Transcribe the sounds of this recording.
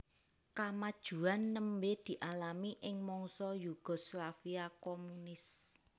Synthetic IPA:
kamad̥ʒ̥ṳanːəmbed̪̥i̤ʔalamiʔɪŋmɔŋsɔjuɡ̥ɔ̤slafiakomunɪs

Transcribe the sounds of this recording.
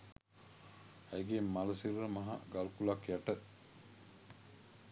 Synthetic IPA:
æjɡeːmːaləsirəmaɦa̰ɡalkulakjæʈə

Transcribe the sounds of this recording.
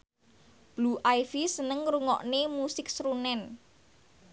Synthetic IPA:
b̥luʔajfisənəŋɾuŋɔ̰ʔnemusɪk̚sɾunɛn

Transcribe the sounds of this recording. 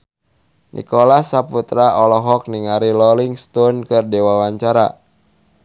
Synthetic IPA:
nʔḭkɔlasaput̪ɾaɔlɔɦɔk̚niŋaɾilɔliŋst̪ɔnkɨrdewawaɲt͡ʃaɾa̰

